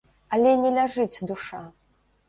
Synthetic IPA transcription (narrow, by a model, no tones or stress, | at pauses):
ɐlʲɛnʲɛlʲaʐɨt͡sʲd̪uʂa